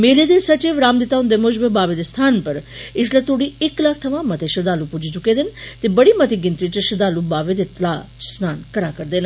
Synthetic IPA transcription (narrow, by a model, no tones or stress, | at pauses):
meːleːd̪esət͡ʃeːʋɾaːmd̪ɪt̪aːɦʊ̃nd̪eːmod͡ʒbebaːʋed̪est̪ʰaːnpəɾɪs̬let̪ʰoːɽiːɪklaːkʰt̪ʰəʋãːmət̪eʃəd̪aːlupʊd͡ʒiːt͡ʃʊkeːd̪ɪnt̪eːbəɽiːmət̪iɡɪ̃nt̪ɾit͡ʃʃəd̪aːlubaːʋeːd̪eːt̪əlaːt͡ʃsnaːnkəɾaːkəɾd̪eːn